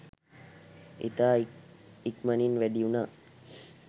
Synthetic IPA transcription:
ḭt̪aːikməninʋæɖiunaː

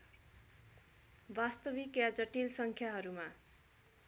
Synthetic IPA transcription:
bast̪ʌbikjad͡zʌʈilsʌŋkʰjaɦʌɾuma

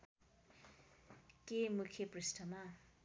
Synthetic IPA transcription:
kemukʰjeprisʈʌma

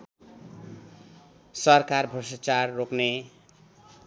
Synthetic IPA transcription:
sʌrkarbʱʌsat͡sarːokne

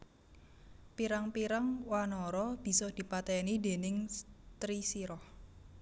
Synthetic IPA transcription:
piɾaŋpiɾaŋwanɔɾɔb̥i̤sɔd̪̥i̤pat̪ɛnid̪e̤nɪŋt̪ɾisiɾɔh

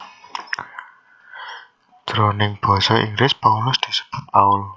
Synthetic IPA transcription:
d̪̥ɾonɪŋb̥ɔ̤sɔʔḭŋɡlɪspaulʊsd̪̥i̤sə̥b̥ʊ̤t̪̚paul

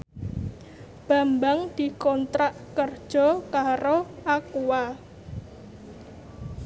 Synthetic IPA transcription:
b̥a̤mbaŋd̪̥i̤kɔnt̪ɾaʔkərd̥ʒ̥ɔ̤kaɾoakuwa

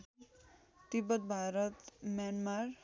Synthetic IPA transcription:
t̪ibʌt̪̚bʱaɾʌt̪mjanmaɾ

